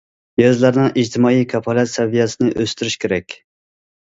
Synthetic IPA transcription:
jɑzlˠɑɾnɨŋʔid͡ʒt̪ʰɪmɑːijkʰɑpʰɑlˠɛt̪sɛvijɛsɪnɨʔøst̪yɾyʃkʲʰeɾɛkʲ

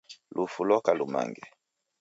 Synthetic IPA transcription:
lʔufulɔkaluma̰ŋɡɛ

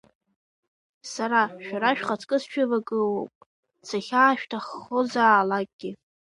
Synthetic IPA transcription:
saɾaʃᶣaɾaʃᶣχat͡sʰʼkʼɨst͡ʃʷᶣʰʊvaɡʼɨwopʼ | sʰaχʲaːʃᶣtʰaχːozaːlak̚ʼɡ̥ʲɪ

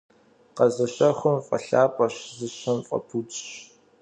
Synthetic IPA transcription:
qɐzɐɕɐχʷʊmfʼɐ̰ɬaːpʼɐɕzɨɕɐmfʼɐ̰pʰut͡ʃʼɕ

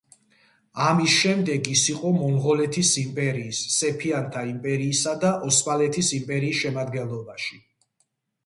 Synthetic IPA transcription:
amisʃɛmd̪ɛɡisiqʼɔmɔmʁɔlɛt̪ʰisimpʼɛɾiːsːɛpʰiant̪ʰaimpʼɛɾiːsad̪aʔɔspalɛt̪ʰisimpʼɛɾiːsʃɛmad̪ɡɛnlˠɔbaʃi

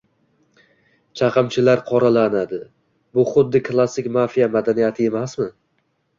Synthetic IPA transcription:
t͡ʃʰaqʰɨmt͡ʃʰɪlaɾqʰɒɾalanad̪ɪ | bʊχʊd̪ːɪkʰlˠasːɪkʲmafijamad̪anijat̪ʰɪe̞masmɪ

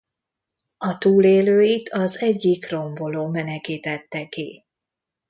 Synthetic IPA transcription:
ɒt̪uːleːløːit̪ʰɒzɛɟːikro̞mbo̞loːmɛnɛkiːt̪ɛt̪ːɛki

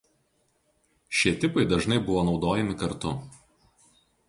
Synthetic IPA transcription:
ʃʲiɛt̪ʲɪpɐɪd̪ɐʒnɐɪbʊʋoːnɒʊd̪oːjɛmʲɪkɐɾt̪ʊ

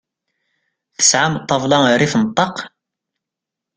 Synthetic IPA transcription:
θə̥sʕamt̪ˤːɑvlɑɾifnt̪ˤːɑq

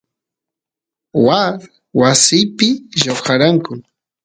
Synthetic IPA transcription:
wa | wasɪjpɪʒawxaɾaŋkʊ

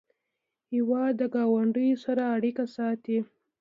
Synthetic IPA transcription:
hiwɑd̪ːəɡɑwaɳɖəjosaɾaːɽikasɑt̪i

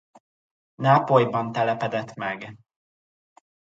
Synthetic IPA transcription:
naːpojbɒnt̪ɛlɛpɛd̪ɛt̪mɛɡ

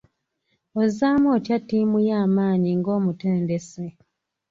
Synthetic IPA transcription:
ozaːmoːtjatːiːmujaːmaːɲiŋɡo̞ːmute̞ːndese

